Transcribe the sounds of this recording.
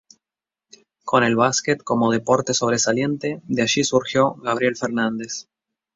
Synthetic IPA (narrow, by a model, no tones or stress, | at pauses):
ko̞ne̞lβasket̪ko̞moð̞epo̞ɾt̪e̞so̞β̞ɾesalje̞nt̪e̞ðeaʃisuɾxjo̞ɣaβ̞ɾjelfeɾnãnd̪e̞s